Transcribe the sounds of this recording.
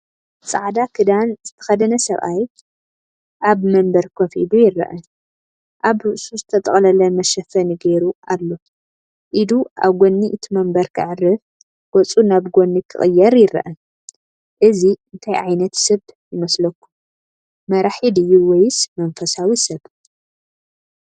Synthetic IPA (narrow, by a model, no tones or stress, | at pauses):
t͡sʼa̰ʕd̪akʰɨd̪anzɨt̪ʰɐ̥xɐd̪ɐnɐsɐβʔaj | ʔaβmɐmbɐɾkʰofḭd̪ujɪrːɐ̰ʔɐ | ʔaβɾɨʔsuzɨt̪ʰɐt̪ʼɐχʼlɐlɐmɐʃɐfɐniɡeɾualːo̞ | ʔɨd̪uʔa̰βɡo̞nːiʔɨt̪ʰimɐmbɐɾkʰɨ̰ʕɨrːɨf | ɡ̥ɔt͡sʼunaβɡonːikʰɨ̰χʼɨjːɐɾjɪrɐ̰ʔɐ | ʔɨziɨnt̪ʰajʔajnɐt̪sɨβjɪmɐslɐkːu̥ | mɐɾaħid̪ɨjːuwɔjɪsmɐnfɐsawisɐβ